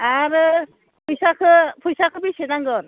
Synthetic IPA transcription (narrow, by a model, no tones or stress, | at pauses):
aɾɯ | pʰujsakʰɯpʰujsakʰɯbisenaŋɡɔn